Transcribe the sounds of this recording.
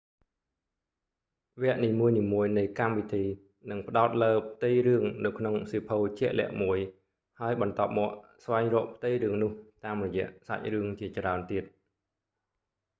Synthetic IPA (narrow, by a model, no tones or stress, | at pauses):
ʋɛ̆əʔniːmuəjniːmuəjnɨjkamʋit̪ʰiː | nɨŋpə̆ɗaɔt̪̚ləːp̚ʰt̪ɨjrɨəŋnɨwkʰnoŋsiːpʰoːt͡ɕɛ̆əʔlɛ̆əʔmuəj | haəjɓɑnt̪ŏəp̚mɔːəʔsʋaɛŋrɔːʔpʰt̪ɨjrɨəŋnʊ̆əht̪aːmrɔjɛ̆əʔsa̰c̚rɨəŋt͡ɕiət͡ɕraənt̪iət̪̚